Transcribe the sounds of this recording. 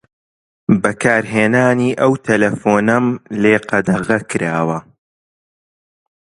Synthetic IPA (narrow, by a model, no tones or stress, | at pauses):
bɐkʰaːɾɦeːnaːniːʔɐwt̪ʰɐlɐfoːnɐmleːqɐd̪ɐɣɐkɨɾaːwɐ